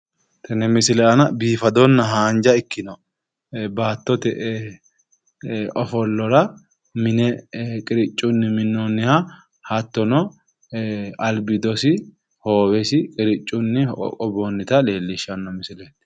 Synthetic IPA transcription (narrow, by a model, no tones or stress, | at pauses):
t̪ʰɐnɛmɪsɪlɛɐnɐbiːfɐd̪ɔnːɐɦaːnd͡ʒɐɪkːɪnɔ | baːt̪ːɔt̪ɛʔ | ʔɔfɔlːɔɾɐ | mɪnɛkʼɪɾɪt͡ʃʼːʊnːɪmɪnːɔnːɪha | hɐt̪ːɔnɔ | ɐlbɪd̪ɔsɪ | hoːwɛsɪkʼɪɾɪt͡ʃʼːʊnːɪɔ̰kʼɔbonːɪt̪ɐle̞ːlːɪʃɐnːɐmɪsɪlet̪ː